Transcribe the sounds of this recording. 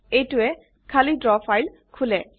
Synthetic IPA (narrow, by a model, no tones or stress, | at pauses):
ejtʊɛ | kʰalitɹɔfʰajl | kʰulɛ